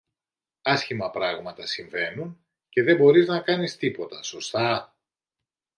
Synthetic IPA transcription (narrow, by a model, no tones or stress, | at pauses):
ɐsçimɐpɾɐɣmɐt̪ɐsiɱve̞nun | ce̞ðe̞bo̞ɾiznɐkɐnist̪ipo̞t̪ɐso̞st̪ɐ